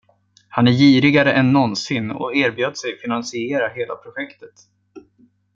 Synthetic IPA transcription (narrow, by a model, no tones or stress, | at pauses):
hanæɾjiːɾɪɡaɾəʔɛnːɔnsɪnɔ̰eːɾbjøːd̪sɛjfɪnansɪeːɾaɦeːla̰pʰɾʊɧɛkt̪ə̥t̪